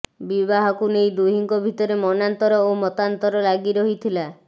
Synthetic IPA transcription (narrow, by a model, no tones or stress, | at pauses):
bibaɦɔkunejd̪uɦiŋkɔbʱit̪ɔɾemɔnant̪ɔɾɔowmɔt̪ant̪ɔɾɔlaɡiɾɔɦit̪ʰila